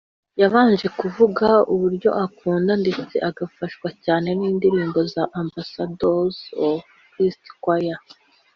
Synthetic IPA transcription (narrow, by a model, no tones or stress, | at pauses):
jaβaːnʒe̞kuvuɡauβuɾɟo̞̰ʔakuːndande̞t͡se̞ʔaɡafaʃkwacaːne̞niːndiɾiːmbo̞zaʔambasadozo | kɾisti̥kwaja